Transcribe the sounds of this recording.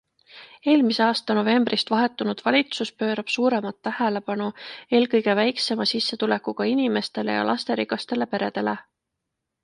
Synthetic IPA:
e̞ːlmise̞ɑːst̪ɑno̞ve̞mbrʔist̪vɑɦe̞t̪ːˑunud̪̥vɑlʲit̪suspø̞ːɾɑb̥suːɾe̞mɑt̪ːæhæle̞pɑnue̞ːlkɤjɡe̞væjkse̞mɑsisːe̞t̪ule̞kːuɡ̥ɑinime̞st̪e̞le̞̰jɑ̰lʔɑst̪e̞ɾiɡɑst̪e̞le̞pe̞ɾe̞d̪̥e̞le̞

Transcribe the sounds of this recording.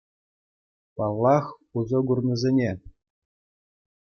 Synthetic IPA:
pɑlˠːɑχ | uzɤ̆ɡurnɤ̆zʲenʲe

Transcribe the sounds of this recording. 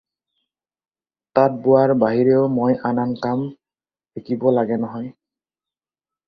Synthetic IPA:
tat̚bʊwaɹbaɦiɹeʊmojʔanankam | pekibɔlaɡɛnɔɦɔj

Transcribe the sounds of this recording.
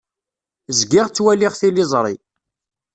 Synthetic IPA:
zɡɪʁt͡sːwælɪʁθilɪzˤɾˤi

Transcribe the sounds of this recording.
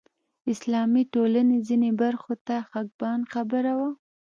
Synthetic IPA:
ɪslɑmiʈolanezinebaɾxot̪axaɡ̚bɑnxabəɾawa

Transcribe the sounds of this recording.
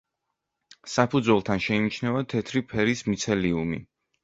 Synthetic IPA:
sapʰud̪zwɛlˠt̪ʰanʃɛinit͡ʃʰnɛvat̪ʰɛt̪ʰɾipʰɛɾismit̪sʰɛliumḭ

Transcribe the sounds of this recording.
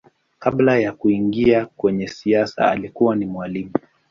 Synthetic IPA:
kaɓlajakuiŋɡiakwɛɲɛsiasa̰a̰likuwanimwalimu

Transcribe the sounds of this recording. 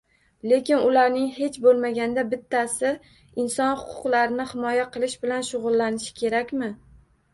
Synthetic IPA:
le̞kʲɪnʊlaɾnɪŋhe̞t͡ʃbolˠmaɡʲand̪abɪt̪ʰːasɪ | ɪnsɒnhʊ̥qʰʊ̥qlˠaɾɪnɪhɪmɒjaqʰɨlˠɪʃbɪlanʃʊʁʊlˠːanɪʃɪ̥kʲʰe̞ɾakʲmɪ

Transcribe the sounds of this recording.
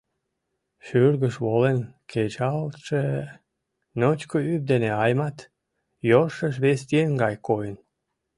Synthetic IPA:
ʃyrɣəʃβolenkʰet͡ɕɑlt̪ʃe | not͡ɕkoyp̚d̪eneɑjmɑt̪ | joʃəʃ̬βest̪ienɡɑjkojən

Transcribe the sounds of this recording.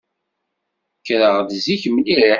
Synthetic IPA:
kɾəʁðziçmlii

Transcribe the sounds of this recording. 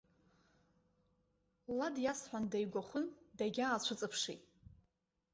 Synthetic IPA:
ladjasħʷᶣandajɡʷaχʷʊndaɡʲaːt͡ɕʷʰʊt͡sʼɨpʰʂḭtʼ

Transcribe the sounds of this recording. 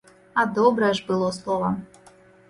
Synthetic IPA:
ad̪ɔbɾɐʐbɨlˠɔslˠɔvɐ

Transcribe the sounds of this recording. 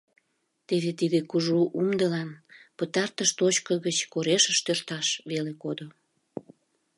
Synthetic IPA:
t̪eβet̪id̪ekuʒuʔumd̪əlɑnpət̪ɑrt̪əʃt̪ot͡ɕkəɣət͡ɕkoɾeʃəʃt̪ørt̪ɑʃβelekod̪o

